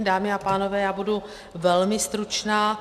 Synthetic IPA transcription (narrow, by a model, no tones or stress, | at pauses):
daːmɪapaːno̞vɛːjaːbudu | vɛlmɪst̪ɾut͡ʃnaː